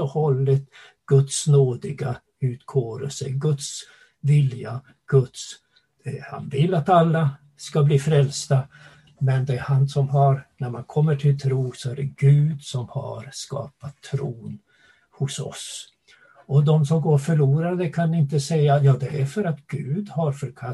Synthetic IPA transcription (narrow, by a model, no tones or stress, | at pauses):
ɔhɔlːət̪ | ɡ̥ɵt̪snoːd̪ɪɡa | ʉ̟ːt̪kʰoːɾə̰lsə̰ɡɵt̪s | vɪlja | ɡ̥ɵt̪s | ha̰nvɪlːat̪alːa | skabliːfɾɛlst̪a | mɛnd̪ɛhansɔmɦaɾnæɾmankʰɔmːəʈʰɪlt̪ʰɾuːsɔæɖɛɡʉ̟ːd̪sɔmha̰ɾskɑ̰ːpat̪ʰːɾuːn | hʊsɔ̰s | ɔd̪ɔmsɔmɡoːɾfœɭuːɾaɾd̪ɛkʰanɪnt̪əsɛjːajɑːd̪ɛæfœɾat̪ɡ̥ʉ̟ːd̪haɾfœɾkʰa